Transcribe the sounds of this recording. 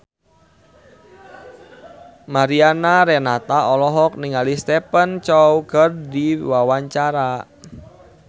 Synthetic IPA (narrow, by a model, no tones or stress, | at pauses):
maɾianaɾɛnat̪aɔlɔɦɔk̚niŋalist̪ɛpənt͡ʃɔwkərdiwawaɲt͡ʃaɾa